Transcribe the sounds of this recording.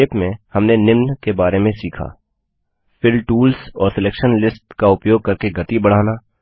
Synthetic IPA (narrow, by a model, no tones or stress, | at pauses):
eːpmẽhɐmnenɪmnkebaːɾemẽsiːkʰa̰ː | fʰɪɾʈuːlsɔːɾsɪleːkʃənlɪsʈkaʊpjoːɡ̚kɐɾkeɡɐt̪ibɐɽ̤aːnaː